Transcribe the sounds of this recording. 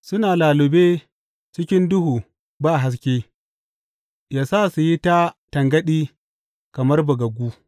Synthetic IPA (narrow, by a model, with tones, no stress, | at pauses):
sʊ˦naː˨laː˨lʊ˨beː˦ | t͡ʃɪ˦kʲɪ˦ndʊ˦huː˨ | baː˦˨ɦa˦s̬kʲeː˦ | jaː˦saː˦˨su˨ji˦ta˦tɐ˨ŋɡɐ˦ɗiː˦ | kɐ˨mɐ˦rbɐ˨ɡɐ˨ɡʷuː˦